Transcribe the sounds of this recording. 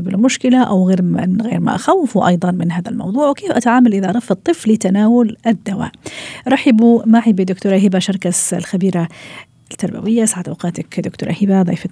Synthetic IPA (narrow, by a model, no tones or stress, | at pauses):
bɪlmʊʃkɪlaʔawɣeːɾɪnɣḛːɾma̰ʔaxawːɪfuʔɑ̰jd̪ˤɑnmɪnɦaːðalmɑ̰wðˤuːʕwkeːfʔat̪aʕaːmalʔɪðaʔɾˤɑfːɑt̪ˤːɨflɪt̪anaːwʊlɪd̪ːawa̰ːʔɾˤɑħɪbumaʕɪbid̪ʊkt̪uːɾˤaɦɪbaʃɑɾˤkaslxabiːɾa | t̪ːɑɾˤba̰wɪjːaʔsʕat̪ʔawqɑːt̪akd̪ʊkt̪uːɾˤɑ̰hɪbaðˤɑ̰ːf